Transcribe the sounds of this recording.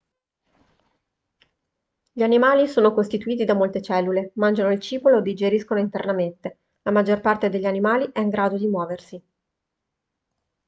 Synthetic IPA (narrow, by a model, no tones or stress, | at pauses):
ʎianimaːlisoːnokost̪it̪uiːt̪̬id̪amolt̪et͡ʃɛlːulemand͡ʒanoilt͡ʃiːpoloed̪ːid͡ʒeɾiskonoint̪ernament̪e | lamad͡ʒːorpart̪ed̪eʎːianimaːliʔɛiŋɡɾaːd̪od̪imwɔːversi